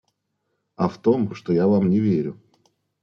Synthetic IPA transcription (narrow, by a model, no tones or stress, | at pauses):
aft̪omʂt̪ojavamnʲɪvʲeɾʲʊ